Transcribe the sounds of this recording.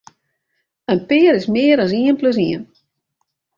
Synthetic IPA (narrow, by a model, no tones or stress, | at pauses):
ənpɪːɾɪsmɪːəɾas̬iənpløs̬iən